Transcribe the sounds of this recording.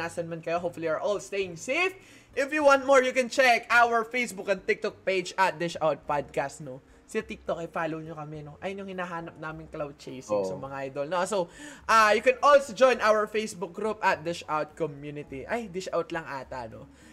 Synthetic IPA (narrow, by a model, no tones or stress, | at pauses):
aːsɐnmɐnkɐjoɦopfʊliɛɹʔolst̪ejɪŋsef | ʔɪfjʊwãnt̪̚moɹjʊkɛ̃nt͡ʃɛkawəɹfejsbʊkɐ̃nt̪ɪk̚t̪ɔk̚ped͡ʒɐt̪̚d̪ɪʃawt̪̚pad̪̚kast̪no | sɪɐt̪ɪk̚t̪okɐjfaːlowɲokɐmɛnoʔɐ̰jonjʊŋhɪnaːɦaːnɐp̚naːmɪŋklawd̪̚t͡ʃejsɪŋsɐmɐŋaʔajd̪olnosowʔajʊkɛnʔɔlsod͡ʒɔjnʔawəɹfejsbʊk̚ɡɾup̚ʔɐt̪̚d̪ɪʃawt̪̚kɔmjuːnɪt̪iʔajd̪ɪʃawt̪lɐŋʔaːt̪ɐ̰no̰